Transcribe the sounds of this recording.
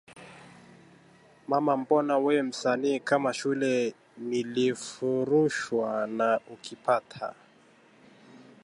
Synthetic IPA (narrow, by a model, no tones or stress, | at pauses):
mamam̩bɔnawɛm̩saniːkamaʃulɛ | nilifuɾuʃwanaukipatʰa̰